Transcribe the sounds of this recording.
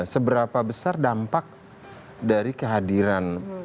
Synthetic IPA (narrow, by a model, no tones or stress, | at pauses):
səbəɾapabəsardampak̚ | daɾikəɦadiɾan